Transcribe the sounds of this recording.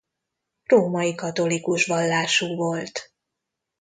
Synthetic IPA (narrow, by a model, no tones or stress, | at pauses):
roːmɒjikɒt̪o̞likuʃʋɒlːaːʃuːvo̞lt̪